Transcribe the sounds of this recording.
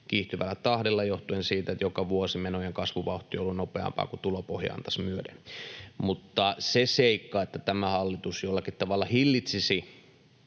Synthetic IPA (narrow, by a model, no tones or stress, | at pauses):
kiːht̪yʋælːæt̪ɑhdelːɑjoht̪uensiːt̪æet̪jokɑʋuosimenojeŋkɑsʋuʋɑuht̪ˑioolːunnopeɑ̰mpɑ̰ːkut̪ulopohjɑ̰ɑ̰nt̪ɑ̥smyødenmut̪ːɑseseikːɑːet̪ːæt̪æmæhɑlːit̪usjolːɑkit̪t̪ɑʋɑlːɑhilːit̪sisi